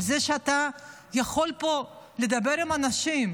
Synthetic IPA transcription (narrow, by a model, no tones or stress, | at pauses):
lzeʃeat̪a | jaχo̞lpo̞le̞d̪abe̞ʁimanaʃim